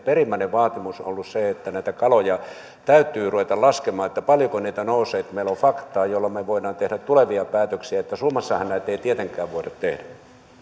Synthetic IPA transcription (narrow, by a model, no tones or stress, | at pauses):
perimːæˑneʋʋɑːt̪imusolːusseet̪ːænæˑit̪ækɑlojɑ | t̪æyt̪ːˑyːruʋet̪ɑlɑskemɑːet̪ːæpɑljokoniːt̪ænousˑeːt̪meˑilːofɑkt̪ˑɑːjolːɑmeʋoinˑɑːnt̪ehɾæt̪t̪uleʋiɑpæːt̪øksiæet̪ːæsuːmɑsːɑhɑnnæˑit̪ːeit̪iet̪eŋkˑæːʋʋoˑidɑt̪t̪ehdæ